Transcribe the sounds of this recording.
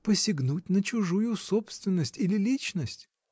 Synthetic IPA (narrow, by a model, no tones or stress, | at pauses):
pəsʲɪɡnut̚ʲnət͡ɕʊʐujʊsopst̪vʲɪnːəsʲtʲilʲɪlʲit͡ɕnəsʲtʲ